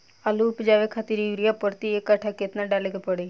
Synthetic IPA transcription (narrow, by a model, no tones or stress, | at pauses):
alupd͡ʒaːʋekʰaːt̪iɾiʋɾijapəɾt̪iekːəʈʰaket̪naɖaːleːkepəɽe